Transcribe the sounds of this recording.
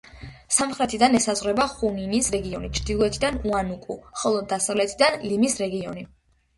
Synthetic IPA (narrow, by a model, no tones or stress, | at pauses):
samχɾɛt̪ʰid̪anɛsazʁɾɛbaχuninisɾɛɡiɔnit͡ʃʰɾd̪ilˠuɛt̪ʰid̪anuanukʼṵχɔlˠɔd̪asavlɛt̪ʰid̪anlimisɾɛɡiɔni